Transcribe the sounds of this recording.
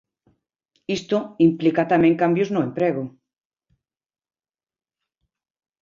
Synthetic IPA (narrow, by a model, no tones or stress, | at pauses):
ist̪oimplikat̪amẽŋkambjoznoempɾeɣo